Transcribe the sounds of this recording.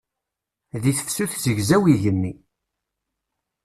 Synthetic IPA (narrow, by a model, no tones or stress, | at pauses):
ðiθəfsuθzəʝzæwiʝənːi